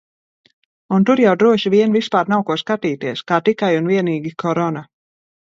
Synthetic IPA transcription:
unt̪uɾjawd̪ɾuɔʃiviɛnvispaːɾnawkuɔskat̪iːt̪iɛskaːt̪ikajunviɛniːɡʲikʰɔɾɔna

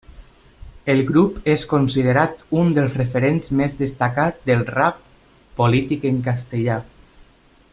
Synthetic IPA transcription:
elˠɡɾupeskonsiðeɾat̪und̪əlˠzrefeɾenzmezðəst̪akat̪̚d̪əlˠrap̚ | polit̪ikeŋkast̪eʎa

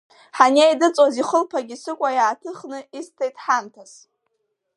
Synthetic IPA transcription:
ħanejdɨt͡sʼoziχəlpʰaɡʲisɨkʷʼajaːtʰɨχnɨistʰejtʼħamtʰas

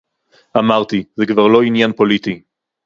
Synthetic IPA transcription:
ʔamaʁt̪izekvaʁlo̞injanpolit̪i

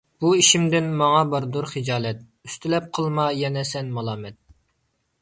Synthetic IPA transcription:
b̥uiʃimd̪ɪnmɑŋɑbɑɾd̪uɾχɨd͡ʒɑːlɛt̪̚ | yst̪ʰylɛp̚qʰəlˠmɑjɛnɛsɛnmɑlˠɑːmɛt̪̚

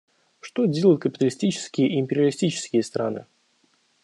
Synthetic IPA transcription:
ʂt̪odʲelˠəjʊt̪̚kəpʲɪt̪əlʲɪsʲtʲit͡ɕɪ̥skʲɪjəʔɪmʲpʲɪɾʲɪəlʲɪsʲtʲit͡ɕɪ̥skʲɪjəst̪ɾa̰nɨ̰

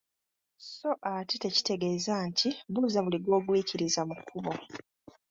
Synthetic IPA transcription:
so̞ʔatite̞ci̥te̞ɡe̞ːzantʰiβuzaβuliɡwo̞ːɡwiːciɾizamukʰːuβo̞

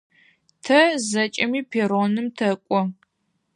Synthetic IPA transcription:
tʰɐzɐt͡ʃʼɐmiːpʰeːroːnɨmtʰɐkʷʼɔ

